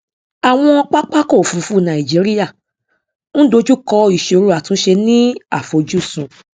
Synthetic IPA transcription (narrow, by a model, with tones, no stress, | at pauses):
a˨w̃ɔ̃˧ɔ˧k͡pa˦k͡pa˦ko˦˨fũ˨˦fu˦˨nã˨i˨d͡ʒi˨˦ɾi˦ja˦˨ | ñ̩˦do˧d͡ʒu˦kɔ˧i˨ʃe˨˧o˧ɾu˦˨a˨tũ˨˦ʃe˧nĩ˦a˦˨fo˨˦d͡ʒu˦˨sũ˨˦